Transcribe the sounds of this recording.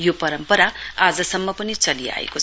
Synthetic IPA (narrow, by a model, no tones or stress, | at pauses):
jopʌɾʌmpʌɾaad͡zʌsʌmːʌpʌnit͡sʌlia̰ḛko